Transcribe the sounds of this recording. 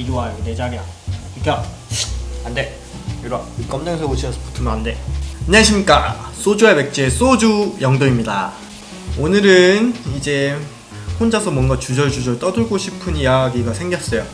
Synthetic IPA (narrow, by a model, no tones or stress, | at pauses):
iɾuaded͡ʑaɡjʌikʰʌ | ande | juɾaik͈ʌmneŋsʰʌɡoɕʰiʌs͈ʰʌpotʰɯmʌande̞ɲeaɕʰimɲik͈as͈od͡ʑuabe̞k̚t͡ɕ͈ies͈od͡ʑujʌŋdoimɲida̰ | onɯɾɯnid͡ʑe̞ | ɸond͡ʑasʰʌmwʌnɡat͡ɕud͡ʑʌɭd͡ʑud͡ʑʌɭt͈ʌdɯɭɡoɕʰipʰɯnijaɡiɡasʰe̞ŋɡjʌs͈ʌjo